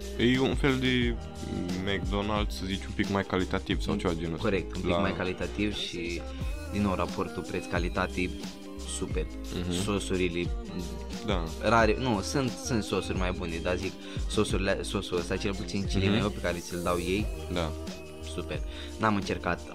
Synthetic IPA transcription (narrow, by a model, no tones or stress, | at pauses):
ejunfeld̪e̞ | mekd̪onald̪səzit͡ʃumpikmajkalit̪at̪ivsa̰wt͡ʃevad͡ʒenoko̞ɾek̚t̪umikmajkalit̪at̪ivʃi | d̪inːo̞wɾapo̞rt̪upɾet̪skalit̪at̪i | super̩so̞suɾile | d̪araɾenusunt̪sunt̪so̞surʲmajbuned̪azik | so̞suɾileso̞suəst̪at͡ʃe̞lput̪sint͡ʃilimeowpekaɾet̪sɨld̪awje̞jd̪a | supe̞r | namɨnt͡ʃe̞rkat̪